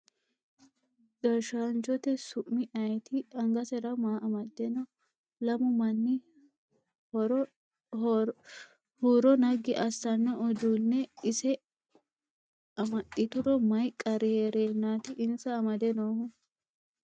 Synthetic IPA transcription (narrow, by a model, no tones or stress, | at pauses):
ɡ̥ɐɾʃaːnt͡ʃɔt̪ɛsʊʔmːɪʔɐjt̪ɪɐŋɡɐsɛɾɐmaːʔɐmɐd̪ɛnɔ | lɐmʊmɐnːɪ | ɾ | huːɾɔnɐɡɪʔɐsːɐnːɐʔɔd̪unːɛɪsɛ | ɐmɐt̪ːɪt̪ʊɾɔmɐjkʼːɐɾɪheɾeːnːaːt̪ɪʔɪnsɐːmɐd̪ɛnohʊ